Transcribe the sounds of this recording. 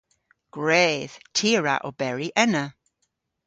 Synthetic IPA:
ɡ̥ɹeːð̥tʰiːɹa̰ʔɔ̰bɛɹiʔɛnə

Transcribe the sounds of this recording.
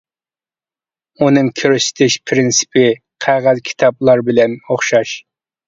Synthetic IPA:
unɨŋkʲʰøɾyʃɪ̥t̪ʰɪʃpʰɾɪnsɪ̥pʰɪ | qʰæʁæzkʲʰi̥t̪ʰɑplˠɑɾbɪlɛnoχʃɑʃ

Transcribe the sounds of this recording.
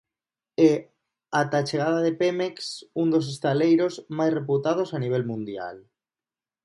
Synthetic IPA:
e | at̪at͡ʃeɣ̞aðaðe̞pemeksund̪o̞s̬est̪alejɾo̞zmajsre̞put̪að̞o̞saniβ̞e̞lmũnd̪ja̰l

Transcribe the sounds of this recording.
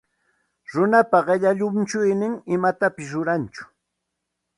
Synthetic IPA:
ɾʊnapaɢeʎaʎʊmt͡ʃʊjnɪŋɪmat̪apɪs̬ɾʊɾant͡ʃʊ̥

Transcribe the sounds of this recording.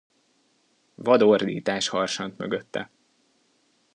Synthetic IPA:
vɒd̪ord̪iːt̪aːʃhɒrʃɒnt̪møɡøt̪ːɛ̰

